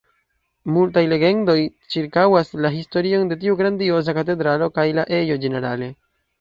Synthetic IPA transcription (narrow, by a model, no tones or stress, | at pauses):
multajle̞ɡe̞ndo̞j | t͡ʃiɾkawaslaɦisto̞ɾio̞nde̞t̬iuɡɾandio̞zakat̬e̞dɾalo̞kajlaʔe̞jo̞d͡ʒe̞ne̞ɾale̞